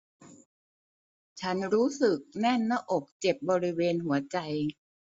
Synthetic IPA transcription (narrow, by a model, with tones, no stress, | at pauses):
t͡ɕʰa˦˥nɾuː˦˥sɯ˨˩k̚nɛ˥˩nːa˥˩ʔo˨˩k̚t͡ɕe˨˩p̚bɔː˧ɾi˦˥weː˧nɦu˩˦ɐt͡ɕa˧j